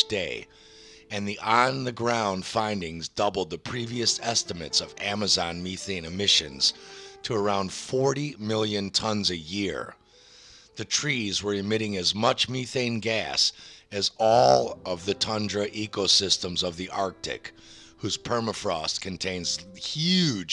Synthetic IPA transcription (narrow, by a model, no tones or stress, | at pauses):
d̥eɪ | ɨ̃nðiʔə̃nðɨɡɹãʊ̃nd̥fãɪ̃ndɪ̃ŋzdʌbl̩ˠd̪̚ðɨpʰɹ̥iviɨsɛstɨmɨtsʌvæmɨzɑ̃nmiθẽɪ̃nɨmɪʃɨ̃nz̥tʰəə˞ãʊ̃nd̥fɔɹɾimɪlˠjɨ̃ntʰʌ̃nzɨjɪɹ | ðɨtʰɹ̥izwə˞ɨmɪɾɪ̃ŋɨzmʌt͡ʃmʉθẽɪ̃nɡæsɨzɔlˠʌvðɨtʰʌ̃ndɹɨʔikoʊsɪstə̃mzʌvðiʔɑɹk̚tɨ̰k | hʉz̥pʰɜ˞məfɹɔskʰɨ̃ntʰẽɪ̃nz̥hjʉ̥